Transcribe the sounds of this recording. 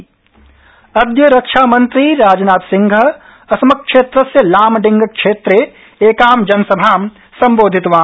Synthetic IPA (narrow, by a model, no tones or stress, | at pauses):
ɐd̪jɐɾɐkʃaːmɐ̃nt̪ɾiɾaːd͡ʒnaːt̪sɪ̃ŋɡʱə | ɐsmɐkʃeːt̪ɾɐsjɐlaːmɖɪ̃ŋɡkʃeːt̪ɾe | eːkaːmd͡ʒɐnsɐbʱaːm | sɐ̃mboːd̪ʱɪt̪ʋaː